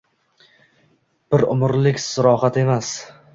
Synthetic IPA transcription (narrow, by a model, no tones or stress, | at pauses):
b̥ɪɾʊ̰mɾlɪkʲsʊɾɒhat̪e̞mas